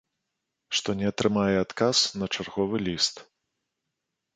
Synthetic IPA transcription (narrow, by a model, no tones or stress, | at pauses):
ʂt̪ɔnʲɛɐt̪ɾɨmajɛat̪kasnɐt͡ʂarɣɔvɨlʲist̪